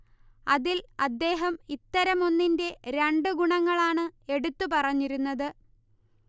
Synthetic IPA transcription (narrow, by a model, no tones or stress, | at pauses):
ɐðilɐd̪ːe̞ːɦɐmit̪ːɐɾɐmo̞nːinde̞ɾeɳɖɨɡuɳɐŋːɐɭaːɳɨe̞ɽut̪ːupɐrɐɲːiɾunːɐðɨ